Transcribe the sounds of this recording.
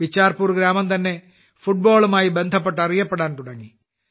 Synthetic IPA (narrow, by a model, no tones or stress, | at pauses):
ʋit͡ɕːaːrpuːrɡɾaːmɐmt̪ɐnːe̞ | fuʈ̚bo̞ːɭumaːjibe̞nd̪ʱɐp̬ːe̞ʈːɐrijɐpːeɽaːnt̪uɽɐŋːi